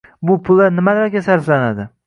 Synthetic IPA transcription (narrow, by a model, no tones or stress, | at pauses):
bʊpʰʊlˠːaɾnɪmalaɾɡʲasaɾflanad̪ɪ